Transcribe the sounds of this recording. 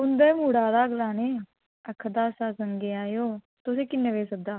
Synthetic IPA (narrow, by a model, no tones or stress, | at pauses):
ʊnd̪ɐmuɽaːɾaːɡlaːne | ɐkʰd̪aːsaːsɐŋɡeaːjoː | t̪ʊsekinːɐʋesɐb̚d̪aː